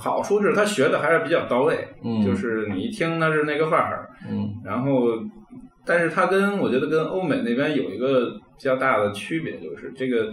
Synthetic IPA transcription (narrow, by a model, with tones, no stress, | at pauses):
xɑ˨˩ʊʂu˥ʈ͡ʂɻ̩˥˩t̪ʰa˥ɕɥɛ˧˥d̪ə˧xa˧˥ɪʂɻ̩˥˩pi˨˩t͡ɕɑ˥˩ʊt̪ɑ˥ʊle˥˩ɪt͡ɕjo˥˧ʊʂɻ̩˥˩ni˨˩i˥˩t̪ʰi˥ŋt̪ʰa˥˧ʂɻ̩˥˧na˥˩ɪɡə˧fa˥˩˥ɻa˧˥nxo˥˩ʊ | t̪a˥˧nʂɻ̩˥˩t̪ʰa˥kə˥nwɔ˨˩t͡ɕɥɛ˧˥d̪ə˧kə˥nʔo˥ʊme˨˩ɪne˥˩ɪpjɛ˥njo˨˩ʊḭ˧˥ɡə˧pi˨˩t͡ɕjɑ˥˧ʊt̪a˥˩d̪ə˩t͡ɕʰy˥pjɛ̰˧˥t͡ɕjo˥˧ʊʂɻ̩˥˧ʈ͡ʂɤ˥˩ɡə˩